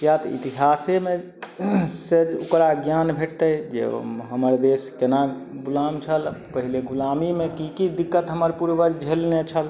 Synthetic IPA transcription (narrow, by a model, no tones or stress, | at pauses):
jat̪ḭt̪iɦaseme | sed͡ʒo̰kɾaɡjanbʱeʈʰt̪əd͡ʒḛɦəməɾd̪eskenaɡulamt͡ʃʰəlpəɦileɡulamimekikid̪ikːət̪ɦəməɾpuɾbəɾd͡ʒʱelnet͡ʃʰəl